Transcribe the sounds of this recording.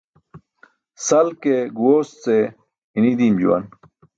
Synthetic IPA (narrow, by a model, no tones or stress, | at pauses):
sɐlkeɡuwoːst͡se | inid̪iːmd͡ʑṵwɐ̰n